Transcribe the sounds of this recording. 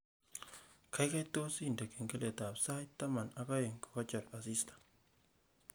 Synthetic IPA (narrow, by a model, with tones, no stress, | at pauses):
kʰa˨jka˦jto˦si˦nde˨ke˨ŋke˦le˨ta˨psa˦jtːa˦ma˨na˨kɔ˦je˨ŋkɔ̥˨kɔ˦t͡ʃɔ˨t̚a˨si˦stḁ˨